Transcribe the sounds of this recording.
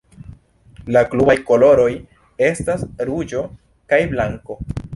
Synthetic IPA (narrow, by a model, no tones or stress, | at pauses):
laklubajko̞lo̞ɾo̞j | e̞stasɾud͡ʒo̞ | kajblaŋko